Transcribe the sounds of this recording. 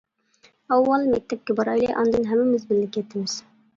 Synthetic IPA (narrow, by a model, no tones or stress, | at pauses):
ɑwːɑlˠmɛk̚ʲt̪ʰɛp̚kʲɛbɑɾɑjlˠḭjʔɑnd̪ɨnɦɛmːɪmɪzbɪllɪkʲʰːjɛt̪ʰːɪmɪz̥